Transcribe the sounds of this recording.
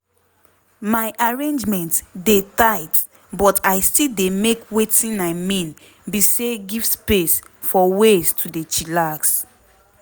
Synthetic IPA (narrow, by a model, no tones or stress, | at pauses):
maɪʔaɹẽnd͡ʒmɛ̃ntdetaɪt | bɔtajstildemekwetĩnaɪmĩn | biseɡivspes | fɔwestʰudet͡ʃilaɡs